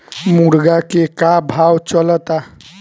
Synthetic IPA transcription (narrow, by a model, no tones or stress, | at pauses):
muɽɡakekabʱawt͡ʃələt̪a